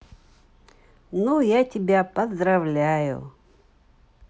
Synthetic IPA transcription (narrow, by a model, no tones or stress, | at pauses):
nujatʲɪbʲapəzd̪ɾɐvlʲajʊ̰